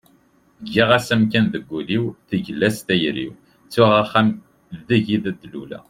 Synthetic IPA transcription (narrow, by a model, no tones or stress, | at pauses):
ɡːiʁæsæmkænðəɡʷːuliwθəʝəlːæst̪æjɾḭw | t͡sːʊʁaχːæm | ðəʝiðæd̪ːlṵlæ̰